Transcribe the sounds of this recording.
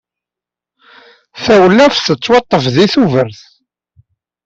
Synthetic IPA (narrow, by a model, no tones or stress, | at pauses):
θæwəlːæfθət͡sːwɑt̪ˤːəfðiθuvəɾθ